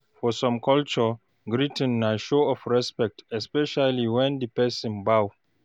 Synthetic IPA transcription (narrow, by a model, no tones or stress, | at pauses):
fɔsɔ̃mkɔlt͡ʃɔ | ɡɹitə̃nːaʃoɔfɹɛspɛk̚tɛspɛʃaliwɛ̃ndipɛsɔ̃nbaw